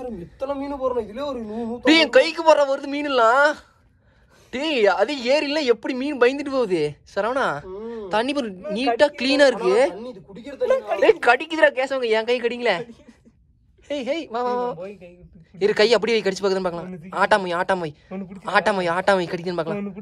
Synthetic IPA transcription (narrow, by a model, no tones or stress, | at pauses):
ɛt̪ːlmiːnpoːɾɐ̃ɪleːɔɾʈiːɛ̃ːkɐjkːɯpoːɾãːʋɐɾɯðɯmiːnɯlːãː | ʈiːɐðɯeːɾɪlːɐɛpːɐɽimiːnɯbɐjɪnd̪ɯʈːɯpoːʋɐðɯsɐɾaːnãːt̪ɐɳːɪpːɐɾniːʈːaːkkliːnaːɪɾɯkːɯɽkːɾɐkɐɽɪkʲːɯðɪɾaːkeːsɐʋaːŋɡɐɛ̃ːkɐjkɐɽɪjŋɡɐlɛ | eɦejʋãːʋaːʋaː | ɪɾɯkɐjɐp̬ːɐɽiʋɐɪkɐɽɪt͡ʃːɯpaːkɯðɐnɯpaːkɐlãːaːʈːaːmɐjaːʈːaːmɐjaːʈːaːmɐjaːʈːaːmʋɐɪkɐɽɪkːðanɯpaːkɐlãː